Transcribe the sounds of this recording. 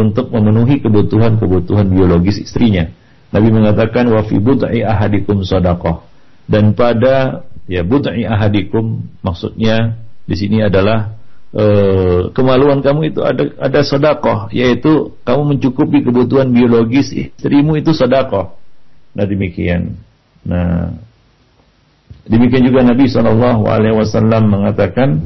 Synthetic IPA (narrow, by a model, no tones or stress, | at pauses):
unt̪ʊk̚məmənuɦikəbut̪uɦankəbut̪uɦanbioloɡɪsḭst̪ɾiɲa | nabiməŋat̪akanwafḭbʊd̪ʕiaɦadikʊmsɑdakɔh | danpadajabud̪ʕiaɦadikʊmːaksṵt̪̚ɲadisiniadalahʔəkəmaluankamuit̪ua̰aadasɔdakɔhjait̪ukamuməɲt͡ʃukupikəbut̪̬uɦanbioloɡɪsḭst̪ɾimuit̪usɑdakɔhnahdəmikḭa̰nː | a̰h | dəmikiand͡ʒuɡanabisɔlɑlːɑɦṵa̰lewasalːamːəŋat̪akan